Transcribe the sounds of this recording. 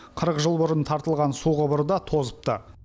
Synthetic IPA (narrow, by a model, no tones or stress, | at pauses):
qʰəɾəqʒəlˠbʊɾənt̪ʰɑɾt̪əlˠʁɑnsuʁəbəɾd̪ɑt̪ʰo̞zəp̚t̪ə